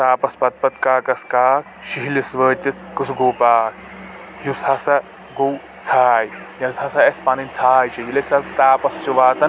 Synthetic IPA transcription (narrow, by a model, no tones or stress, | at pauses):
t̪aːpɐspɐt̪̚pɐt̪kaːkɐskaːkʃiɦilisʋəːt̪ʲit̪kɨsɡowpaːk | jushasɐ | ɡow | t͡sʰaːjjɐsɦɐsɐespanint͡sʰaːjt͡ʃʰiɦilɐsɐst̪aːpɐst͡ʃiʋaːt̪ɐ